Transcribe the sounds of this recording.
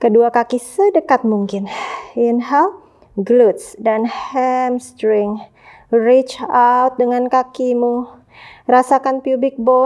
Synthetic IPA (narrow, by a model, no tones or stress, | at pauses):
kəduakakisədəkat̪̚muŋkɪninhal | ɡlut̪̚sdanhɛmst̪ɾɪŋ | rit͡ʃawt̪̚dəŋankakimu | rasakanpjubɪk̚bɔ